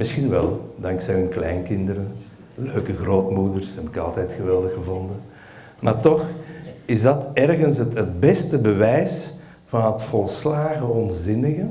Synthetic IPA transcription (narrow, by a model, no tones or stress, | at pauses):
mɪsxinʋɛ̰lˠdɑŋksɛjɦʏnklɛjnkɪndəɾə | løːkəɣroːtmudərshɛbɪkɑ̰lˠtɛjtxəʋɛlˠdəxəvɔndə | ma̰ːrtɔxɪzdɑtɛrɣənsətɦət̚bɛstəbəʋɛjs | v̥ɑnɦətfɔlˠslaːɣəɔnzɪnəɣə